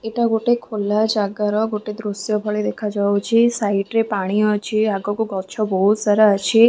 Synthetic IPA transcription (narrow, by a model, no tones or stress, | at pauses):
eʈaɡoʈekʰolad͡ʒaɡaɾɔɡoʈed̪ɾusjɔbʱɔɭed̪ekʰad͡ʒawt͡ʃʰisajʈɾepaɽ̃iɔt͡ʃʰiaɡɔkuɡɔt͡ʃʰɔbɔɦut̪saɾaat͡ʃʰi